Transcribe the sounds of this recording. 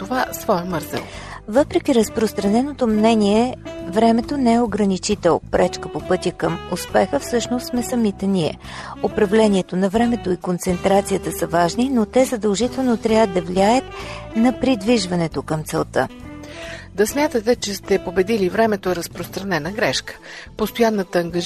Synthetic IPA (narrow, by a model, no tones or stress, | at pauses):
t̪ovasvɔjəmɤɾzɛ̰l | vɤpɾɛk̟iɾəspɾost̪ɾɐnɛnot̪omnɛniɛvɾɛmɛt̪onɛɛoɡɾɐnit͡ʃit̪ɛlˠpɾɛt͡ʃkəpopɤt̪ʲəkəmʊspɛxəfsɤʃnost̪smɛsɐmit̪ɛniɛ̰ | opɾɐvlɛniɛt̪onɐvɾɛmɛt̪oikont̪sɛnt̪ɾat̪sijət̪əsəvaʒninot̪ɛzɐd̪əlˠʒit̪ɛlˠnot̪ɾʲavəd̪ɐvliajət̪nɐpɾid̪viʒvɐnɛt̪okəmt̪sɛlˠt̪ə | d̪ɐsmʲjat̪ət̪ɛt͡ʃɛst̪ɛpobɛd̪ilivɾɛmɛt̪oɛɾəspɾost̪ɾɐnɛnəɡɾɛʃkə̥post̪ojanːət̪əːŋɡə